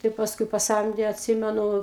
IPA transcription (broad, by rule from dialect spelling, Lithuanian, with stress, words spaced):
tɐɪ pɐsˈkʊɪ pɐˈsɐmʲdʲeː ɐtʲˈsʲɪmʲɛnʊ